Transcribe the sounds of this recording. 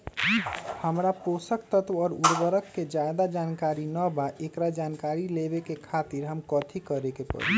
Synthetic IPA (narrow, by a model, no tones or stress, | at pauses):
həmɾapoːsək̚t̪ət̪ʋɔːɾuɾbəɾəkːed͡ʒad̪ad͡ʒaːnkaːɾinəbaʔekɾad͡ʒaːnkaːɾilebekekʰaːt̪iɾɦəmkɔːt̪ʰikəɾekepə̰ɾi